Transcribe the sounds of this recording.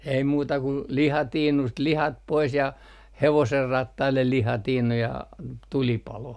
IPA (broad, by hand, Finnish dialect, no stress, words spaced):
ei muːtɑ kun lihɑtiːnust lihɑt pois jɑ heʋoserːɑtːɑilːel lihɑtiːnu jɑ tulipɑloh